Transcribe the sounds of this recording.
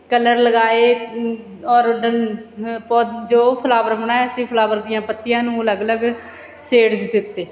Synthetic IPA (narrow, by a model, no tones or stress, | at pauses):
kələɾləɡaːeː | ɔːɾɖənpɔd͡ʒoːpʰəlaːʋəɾbəɳaːeəsĩːpʰəlaːʋəɾd̪ɪjãːpət̪ːɪjãːnũːələɡələɡ | seːɽd͡ʒd̪ɪt̪ːeː